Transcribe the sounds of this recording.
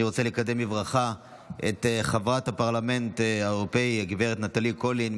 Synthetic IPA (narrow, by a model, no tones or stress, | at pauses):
iʁot͡selekademivʁaχa | ḛt̪χavʁathapaʁlame̞ntaeʁopeiɡiveʁet̪nat̪alikolin